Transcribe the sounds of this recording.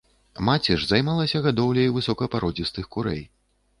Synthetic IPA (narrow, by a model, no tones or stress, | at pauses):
mat͡sʲɛʐzajmalˠɐsʲɐɣad̪ɔwlʲɐjvɨsɔkɐpaɾɔd͡zʲist̪ɨxkuɾɛ̰j